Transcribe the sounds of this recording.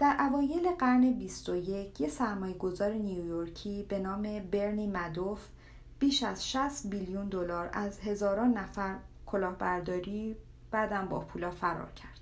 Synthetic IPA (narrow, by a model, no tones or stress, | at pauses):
d̪̥æɾʔævɒːje̞le̞ɢæɾne̞bist̪oje̞cʰjesæɾmɒːje̞ɡo̞zɒːɾeniujoɾcʰiːbe̞nɒːme̞be̞ɾniːmæd̪of | b̥iːʃæz̥ʃæst̪biljund̪o̞lɒːɾʔæzɦe̞zɒːɾɒːnːæfæɾkʰo̞lɒːhbæɾd̪ɒːɾiː | b̥æɾd̪æmbɒ̰pʰuːlɒːfæɾɒ̰ːɾcʰæɾd̪̥